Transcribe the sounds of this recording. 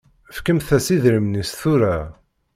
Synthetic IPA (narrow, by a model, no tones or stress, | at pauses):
fkəmθæsiðɾimnisθuɾæ